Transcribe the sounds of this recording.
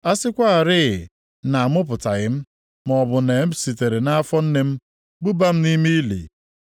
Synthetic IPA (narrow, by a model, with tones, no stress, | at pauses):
a˦sɪ˦kʷa˦a˨ɾɪ˦˨ɪ˨ | na˨a˨mʊ˦p̬ʊ˨ta˨ɣɪ˦m̩˦ | m˨ɔ˨bʊ˨ne˨m̩˦si˨te˨ɾe˨na˦a˦fɔ˦n̩˦ne˦m̩˦ | ɡ͡bu˦ba˦m̩˦ni˦mi˦i˦lḭ˨